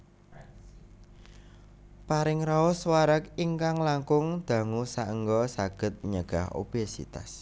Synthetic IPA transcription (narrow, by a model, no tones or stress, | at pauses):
paɾɪŋraʊswaɾəkiŋkaŋlaŋkʊŋd̪̥ä̤ŋusaʔəŋɡɔsaɡ̥ə̤t̪̚ɲəɡ̥aho̰b̥esḭt̪a̰s